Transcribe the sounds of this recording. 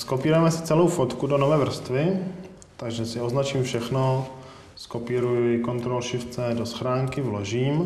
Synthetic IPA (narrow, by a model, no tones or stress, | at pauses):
skopiːɾoɛmɛsɪ̥t͡sɛlo̞wfot̪kudonovɛːvr̩st̪vɪ | t̪aɡʒɛsɪo̞znat͡ʃimfʃɛxno | skopiːɾujɪko̞nt̪ɾolʃɪft͡sɛdosxɾaːŋkɪvloʒiːm